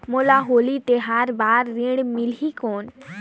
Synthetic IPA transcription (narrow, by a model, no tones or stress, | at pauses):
moːlaɦoːlit̪eɦaɾbaːɾːiɽmɪlikoːn